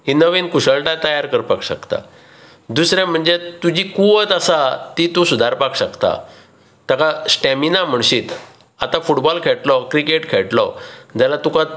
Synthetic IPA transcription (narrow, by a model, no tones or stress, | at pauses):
ɦinəʋenkuɕəɭʈat̪əjaɾkəɾpakɕəkt̪a̰ | d̪usɾjam̤əɳd͡zet̪ud͡ʑiːkuʋət̪asat̪it̪ũsud̪ʱaɾpakɕəkt̪a̰ | t̪akasʈɛ̃minam̤əɳɕiːt̪ | at̪ãfuʈbɔlkʰeɭʈlɔkɾikeʈkʰeɭʈlɔd͡ʑalat̪uka